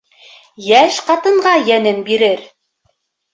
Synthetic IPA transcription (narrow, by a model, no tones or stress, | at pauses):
jæʃqɑt̪ɤ̆ɴʁɑjænɘnbiɾɘɾ